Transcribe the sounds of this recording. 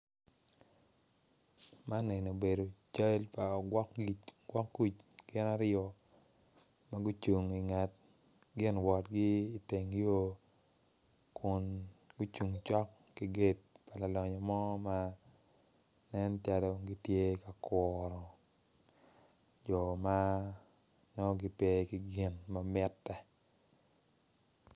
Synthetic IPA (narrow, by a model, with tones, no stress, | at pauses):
ma˦nɪ˨no˨be˨do˨t͡ʃa˦lpa˨ɡkiɡwa˦kːu˦t͡ʃ | ɡ̥ɪ˦na˦ɾjɔ˨ | ma˦ɡu˦t͡ʃu˨ŋi˨ŋa˨t̚ɡɪ˦nwɔ˨t̚ɡiː˦˨te˨ŋ˦jo˦ | kʊ˨nɡu˦t͡ʃu˨ŋt͡ʃɔ˦kːi˦ɡe˦t̚pa˨la˨lɔ˨ɲɔ˨mɔ˦ma | nɛ˦nt͡ʃa˨dɔɡi˦tje˦ka˨kɔɾɔ˨ | d͡ʒɔ˨ma˦ | nɔ˦ɡɪte˦kiɡɪ˦nmamɪ˦tːɛ˨